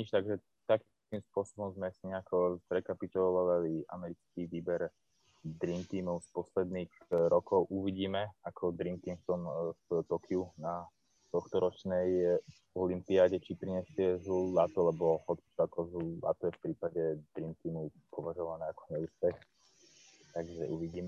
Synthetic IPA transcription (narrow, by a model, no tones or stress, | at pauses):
ɲit͡ʃt̪aɡʒɛ | t̪ak | kimspʊɔsɔbɔmzmɛsiɲɛakʰɔɾɛkapit̪ɔlɔʋaʋaliʔa̰mɛɾit͡skiʋiːbɛɾ | d̪ɾint̪iːmɔʊspɔslɛd̪niːɣɾɔkɔʊʔuʋiɟiːmɛakʰɔd̪ɾint̪iːnft̪ɔmft̪ɔkʰiuna | t̪ɔxt̪ɔɾɔt͡ʃnɛj | ɔlimpiaːɟɛt͡ʃipɾiɲɛsɪɛzlulat̪ɔlɛbɔhɔt̪t͡sakɔzlula̰t̪ɔjɛfpɾiːpaɟɛd̪ɾint̪iːmu | pɔʋaʒɔʋanɛːakɔ̥ɲɛuːspɛx | t̪aɡʒɛʔuʋiɟiːmɛ